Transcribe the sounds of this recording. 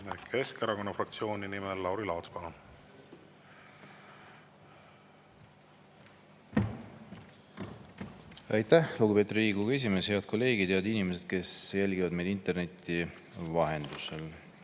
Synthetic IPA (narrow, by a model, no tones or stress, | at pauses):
kʰe̞skeɾɑko̞nːɑfrɑkt̪sio̞ːnʲinimelːɑwɾilɑwt̪skɑlɑ | ɑ̰jt̪ːæhluɡupe̞t̪riːɡuɡɑe̞s̬ʲime̞she̞ɑd̪̥̚ko̞lːe̞ːɡ̥id̪̥jɑd̪inime̞se̞d̪̥̚ke̞sjælʲɡ̥ivɑd̪me̞jlint̪e̞rne̞t̪ʲːˑi | vɑɦe̞nd̪usel